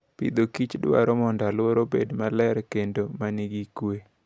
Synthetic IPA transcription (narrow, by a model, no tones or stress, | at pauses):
pḭd̪okit͡ʃdwa̰ɾɔmɔndalwoɾobḛdmalɛɾkendomaniɡikwe